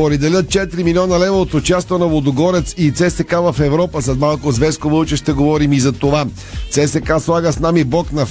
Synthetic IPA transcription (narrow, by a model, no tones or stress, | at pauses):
opɾɛd̪ɛlʲət̪̚t͡ʃɛt̪ɾimilʲiɔnəlɛvoot̪ot͡ʃast̪onɐvlˠod̪oɡɔɾɛt̪sit̪sɛsɛkavɐfɛvɾɔpəsɛt̪malˠkʊzvɛskovəlˠt͡ʃɛʃt̪ɛɡovɔɾimizɐt̪ova | t̪sɛsɛkaslˠaɡəsnamibɔknɐ